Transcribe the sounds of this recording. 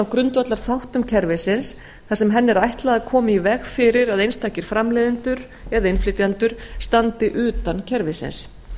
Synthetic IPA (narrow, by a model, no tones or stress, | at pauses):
awkɾʏnt̪vat̪laɾ̥θawht̪ʏmcʰɛɾvɪsɪns | θasɛmɦɛnːɛɾajht̪laɣaðkʰɔːmɪivɛɣfɪɾɪɾaðejnst̪ajcɪɾ̥fɾamlɛːðɪnt̪ʏɾ | ɛðaɪnflɪt̪jant̪ʏɾ̥st̪ant̪ɪʔʏːt̪ancʰɛɾvɪsɪ̰ns